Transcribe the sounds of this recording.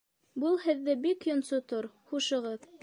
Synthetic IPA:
bɤlˠhɘ̆ðːɘbikjŏnsot̪oɾχuʃɤ̆ʁɤð

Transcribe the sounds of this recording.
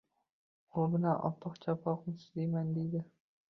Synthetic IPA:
obɪnaʔɒ̰t̪ʰɨqt͡ʃʰapʰɒqmɪsɪd̪ejmand̪ejd̪ɪ

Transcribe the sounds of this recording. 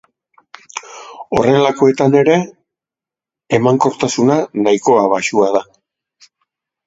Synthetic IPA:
o̞̰re̞lako̞e̞t̪ane̞ɾe̞ | maŋko̞ɾt̪asunanaiko̞aβaʃuaða

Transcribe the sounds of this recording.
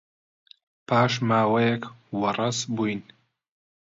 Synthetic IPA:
pʰaːʃmaːwɐjɛkwɐrˤɐsbujn

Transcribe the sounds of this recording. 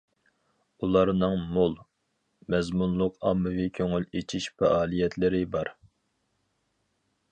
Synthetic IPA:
ulˠɑɾnɨŋmolˠ | mɛzmunlˠʊqɑmːɨvikʲʰøŋylet͡ʃʰiʃfɛʔɑːlˠijɛt̪ʰlɪɾɪbɑɾ

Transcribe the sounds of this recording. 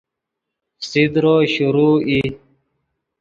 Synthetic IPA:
sid̪ɾoːɕuɾuːi

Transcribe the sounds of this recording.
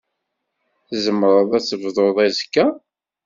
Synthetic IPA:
θzəmːɾˤəðˤæt͡sːəvðˤoðˤæzkːæ

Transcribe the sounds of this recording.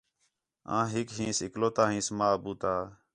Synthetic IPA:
ã̰ːɦɪkɦĩːsɪkloːt̪aːɦĩːsmaːbuːt̪aː

